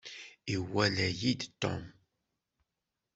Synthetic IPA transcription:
iwælæjid̪t̪ːɔ̰m

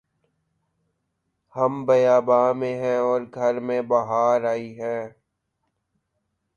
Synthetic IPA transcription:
hɐmbɐjaːbaːmẽɦɛ̃ɔːɾɡʱɐɾmẽbɐɦaːɾaːiɦɛ̃ː

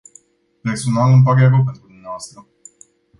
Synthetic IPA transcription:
pɾesonalɨmpaɾeakowpe̞nt̪ɾud̪umneavoast̪ɾə

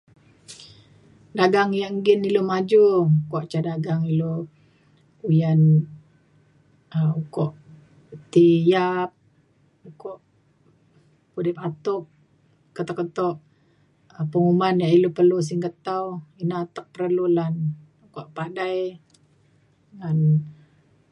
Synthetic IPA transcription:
daɡaŋjaʔŋɡinilomad͡ʒukɔʔt͡ʃadaɡaŋilo | ujan | əukɔʔ | t̪ijap̚ | ukɔʔ | pudipat̪up̚ | kət̪ɔkːət̪ɔʔ | əpəŋumanjaʔilopərlus̬iŋkət̪awinat̪ək̚pəɾəlulan | ukɔʔpadaj | ŋan

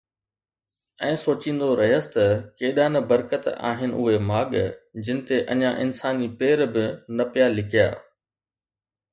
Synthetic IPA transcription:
ɛ̃ːsoːt͡ɕĩːn̆d̪oɾɐɦəsɪ̥t̪ɐkeːɗaːnɐbɐɾkət̪a̰ːɦɪnɪ̆ʔʊ̰ɦemaːɠd͡ʑɪnɪ̆t̪eʔɐɲãʔɪnsaːnipeːɾbɪnɐpijalɪkʰija̰ː

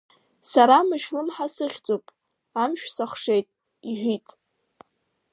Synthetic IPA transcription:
saɾamɨʃᶣlɨmħasɨχʲt͡sʼopʼ | amʃᶣsaχʷʂejtʼ | iħʷᶣitʼ

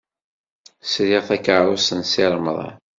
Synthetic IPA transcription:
sɾiʁθækəʕɾˤʊsənsiɾˤməðˤɑ̰

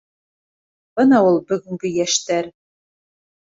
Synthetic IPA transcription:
b̥ɤ̆nɑulˠbɵ̆ɡɘ̆ŋɡɘjæʃt̪æɾ

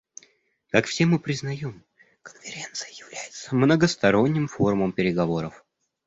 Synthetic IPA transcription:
kakfsʲe̞mɨpɾʲɪznɐjo̞m | kə̥nfʲɪɾʲent̪sɨjəjɪvlʲæjɪt̪səmnəɡəst̪ɐɾo̞nʲːɪmfo̞ɾʊməmpʲɪɾʲɪɡɐvo̞ɾəf

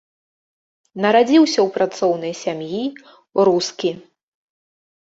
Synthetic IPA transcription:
nɐɾad͡zʲiwsʲɐwpɾat̪sɔwnɨjsʲamji | ɾuskʲi

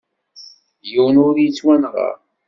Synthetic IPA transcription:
juwənʊɾjət͡sːwænʁɑ̰ɾ

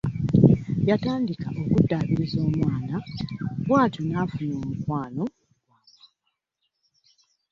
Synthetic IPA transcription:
jataːndikaʔo̞kudːaːβiɾizo̞ːmwaːnaβwaːtonafunoːmukwaːno̞ | waː | a

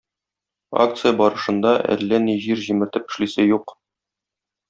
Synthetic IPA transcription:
a̰kt̪sɨjəbɒɾɤ̆ʃɤ̆nd̪ɑʔæ̰lːæniʑiɾʑimɘ̆ɾt̪ɘpɘ̆ʃlisæjuq

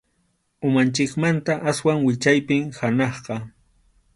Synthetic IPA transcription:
ʊmant͡ʃɪkmant̪aʔaswaŋwɪt͡ʃajpɪŋhanɑχqɑ

